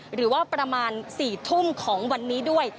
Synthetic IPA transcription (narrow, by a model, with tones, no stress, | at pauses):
ɾɯː˩˦waː˥˩pɾa˧maː˧nsiː˨˩t̪ʰu˥˩mkʰɔː˩˦ŋwa˧nːiː˦˥du˥˩əj